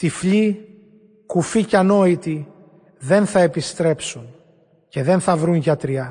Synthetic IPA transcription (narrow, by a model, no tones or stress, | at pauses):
t̪ifli | kuficɐno̞it̪i | ðe̞nθɐe̞pist̪ɾe̞psun | ce̞ðe̞nθɐvɾunʝɐt̪ɾiɐ